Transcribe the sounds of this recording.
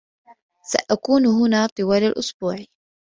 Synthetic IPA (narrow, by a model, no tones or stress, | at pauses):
sa̰ʔakuːnɦʊnaːt̪ˤɨwaːlalʔʊsbuːʕ